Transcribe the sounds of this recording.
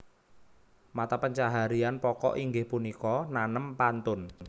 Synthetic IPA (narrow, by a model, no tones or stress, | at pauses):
mat̪apəɲt͡ʃaɦaɾianpɔkɔ̰ʔiŋɡɪhpunikɔnanəmpant̪ʊn